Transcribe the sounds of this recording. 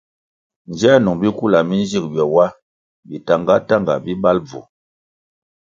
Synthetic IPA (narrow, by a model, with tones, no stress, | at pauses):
nd͡ʒɛ˦nu˨ŋbi˦ku˦la˨mi˦n˦d͡ʒi˦˨k̚bjɔ˨wa˦ | bi˨ta˨ŋɡa˦ta˦ŋɡa̰˨bi˦ba˦lb͡vṵ˨